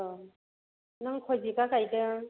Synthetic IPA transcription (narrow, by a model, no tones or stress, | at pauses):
ɔ | naŋkʰɔzikakajdɯ